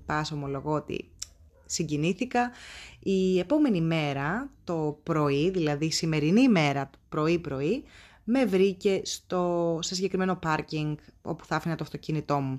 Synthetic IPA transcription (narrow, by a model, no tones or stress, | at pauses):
pɐsomo̞lo̞ɣoot̪ḭ | siɲɟiniθikɐie̞po̞me̞nime̞ɾɐt̪o̞pɾo̞iðilɐðisime̞ɾinime̞ɾɐt̪upɾo̞ipɾo̞i | me̞vɾice̞st̪o̞sesiɲɟe̞kɾime̞no̞pɐɾciŋɡo̞̰pu̥θɐfinɐt̪oɐft̪o̞cinit̪o̞mu